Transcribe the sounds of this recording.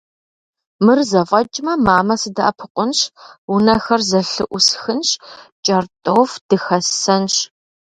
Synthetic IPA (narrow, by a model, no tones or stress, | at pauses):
mɨrzɐfʼɐt͡ʃʼmɐmaːmɐsɨdɐʔɐpʰɨqʷʼʊnɕwʊnɐxɐrzɐɬɨʔʷʊsxɨnɕt͡ʃʼɐrtʼowfd̥ɨxɐsɐnɕ